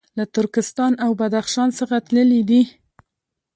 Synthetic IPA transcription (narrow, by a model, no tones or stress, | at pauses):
lat̪ʊɾkɪst̪ɑnawbad̪axʃɑnsəxat̪ləlid̪i